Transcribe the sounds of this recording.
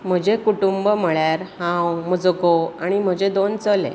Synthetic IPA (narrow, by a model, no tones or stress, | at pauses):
m̤əd͡ʑekuʈumbəməɭjaɾhãwməd͡zəɡoaɽ̃im̤əd͡ʑed̪ont͡səlḛ̃